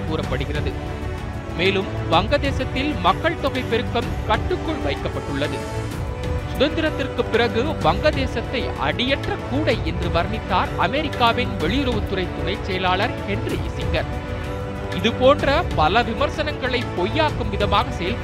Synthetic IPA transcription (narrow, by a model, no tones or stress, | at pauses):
kuːrɐpːɐɽɯɣɪrɐðɯ | meːlɯmʋɐŋɡɐðeːsɐt̪ːɪlmɐkːɐɭt̪ɔɣɐɪpːɛɾɯkːɐmkɐʈːɯkːɔɭʋɐɪkːɐpːɐʈːɯɭːɐðɯ | sʊðɐnd̪ɪɾɐt̪ːɪrkɯpːɪrɐɣɯʋɐŋɡɐðeːsɐt̪ːɐɪʔɐ̰ɽɪjɛʈrɐkːuːɽɐɪɛndrɯʋɐɾnɪt̪ːaːɾɐmɛɾɪkːaːʋɪnʋɛɭɪjʊɾɐʋɯt̪ːʊrɐɪt̪ːʊnɐɪt͡ʃːɛjɐlaːɭɐɾhɛndriʔɪsɪŋɡɐɾ | ɪðɯpoːndrɐpɐlɐʋɪmɐɾsɐnɐŋɡɐɭɐɪpɔjːaːkɯmʋɪðɐmaːɣɐsɛjɐl